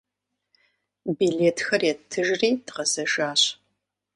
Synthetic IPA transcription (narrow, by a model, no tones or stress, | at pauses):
bileːtʰxɐrjɛtʰɨʒriːdʁɐzɐʒaːɕ